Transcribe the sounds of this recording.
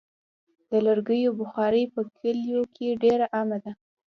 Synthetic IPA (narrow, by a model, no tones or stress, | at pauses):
d̪ələɾɡəjobʊxɑɾəjpəkʰəljokʰeɖeɾaʔamad̪a